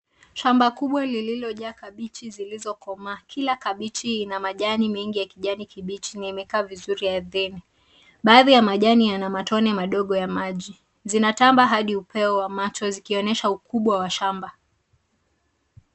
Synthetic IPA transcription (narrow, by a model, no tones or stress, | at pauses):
ʃambakuɓwalililɔʄakaɓit͡ʃizilizɔkɔmakʰilakaɓit͡ʃiːnamaʄanimɛŋɡijakiʄanikiɓit͡ʃinaimɛkaːvizuɾiaðɛni | ɓaːðijamaʄanijanamatɔnɛmaɗɔɠɔjamaʄi | zinatambaɦaɗiupɛɔwamat͡ʃɔzikiɔnɛʃaukuɓwawaʃamba